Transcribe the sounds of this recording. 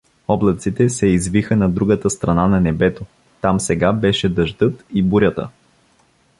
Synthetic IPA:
ɔblˠət̪sit̪ɛsɛizvixənɐd̪ɾuɡət̪əst̪ɾɐnanɐnɛbɛt̪o | t̪amsɛɡabɛʃɛd̪ɐʒd̪ɤt̪ibuɾʲət̪ə̰

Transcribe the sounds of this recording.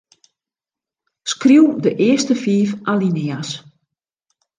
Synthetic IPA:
skriwdəʔɪəstəfiːfʔalinɪas

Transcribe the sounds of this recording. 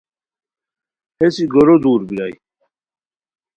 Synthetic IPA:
hesiɡoɾod̪uːɾbilaj

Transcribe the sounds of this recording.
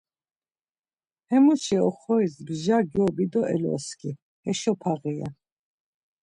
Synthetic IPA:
hɛmut͡ʃɛɔχɔɛsbʒaɡiɔbid̪ɔʔɛ̰lɔ̰skʰi | hɛʃɔpʰaʁia̰

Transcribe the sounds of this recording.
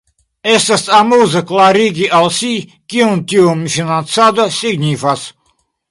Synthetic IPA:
esɐst̪ʼamuzɨklˠaɾiɡʲiʔalˠsʲi | kʲiunt̪ʲiomiʃinasad̪osʲiɡnʲifas

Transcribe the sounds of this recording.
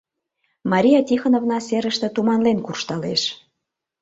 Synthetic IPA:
mɑɾʲijɑt̪ʲixonovnɑseɾəʃt̪ĕt̪umɑnlenkurʃt̪ɑleʃ

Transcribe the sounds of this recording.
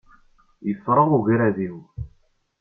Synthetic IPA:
jəfɾˤəʁuʝɾæðiw

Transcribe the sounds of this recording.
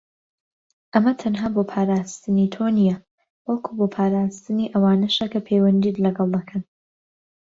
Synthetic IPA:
ʔɐmɐt̪ʰɐnɦaːboːpʰaːɾaːst̪ɨnit̪ʰonijɐ | wɐlkʰuboːpʰaːɾaːst̪ɨniʔɐwaːnɐʃɐkɐpʰewɐnd̪idlɐɡɐlˠd̪ɐkʰɐn

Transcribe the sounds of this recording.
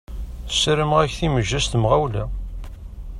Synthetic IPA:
θəsɾəmʁæçθiməʒːæst̪mʁæwlæ

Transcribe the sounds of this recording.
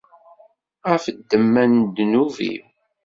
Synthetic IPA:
ʁæfəd̪ːəmːænd̪nuvḭm

